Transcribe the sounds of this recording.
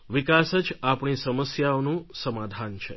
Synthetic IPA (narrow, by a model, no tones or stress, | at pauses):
ʋikasəd͡ʒapɳisəməsjaonũsəmad̪ʱant͡ʃʰe